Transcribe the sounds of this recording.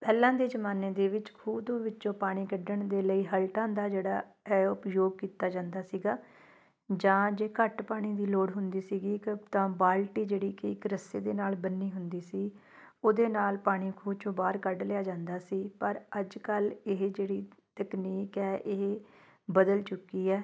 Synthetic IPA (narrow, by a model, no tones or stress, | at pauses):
pɛːlãːd̪eːd͡ʒəmaːneːd̪eːʋɪt͡ʃkʰuːt̪õːʋɪtːʃõːpaːɽ̃iːkəɖəɳd̪eːləiːɦəlʈãːd̪aːd͡ʒeːɽaːɛːʊpjoːɡ̚kiːt̪aːd͡ʒãːnd̪aːsiːɡaː | d͡ʒãːd͡ʒeːkəʈpaːɽ̃iːd̪iːloːɽɦʊnd̪iːsiːɡiːt̪ãːbaːlʈiːd͡ʒeːɽiːkɪɪkɾəseːd̪eːnaːlbənːiːɦʊnd̪iːsiː | oːd̪eːnaːlpaːɽ̃iːkʰuːt͡ʃõːbaːɾkəɖlɪjaːd͡ʒãːnd̪aːsiːpəɾəd͡ʒkəlɪɦd͡ʒeːɽiːt̪əkniːkɛːʔeɦ | bəd̪əlt͡ʃʊkːiːɛː